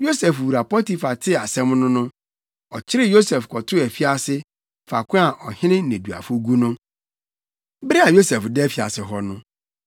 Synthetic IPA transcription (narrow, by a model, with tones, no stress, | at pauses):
jo˦sɛ˨fu˨ɾa˨pʰɔ˦ti˦fa˨tʰɪ˦˨a˨sɛ̃˦mnʊ̃˦nʊ̃˦ | ɔ˨t͡ɕʰɪ˦ɾɪ˦jo˦sɛ˨fkʰɔ˨tʰʊ˦æ˨fi˦a˦sɪ˦ | fa˨kʰʷʊ̃˦a˨ʔɔ˨hɪ̃˦nɪ̃˦nẽ˨du˨a̰˨fʊ˦ɡu˦nʊ̃˦ | bɛ˦a˨jo˦sɛ˨fdɛ˦fi˨a̰˨sɪ˨ɦɔ˦nʊ̃˦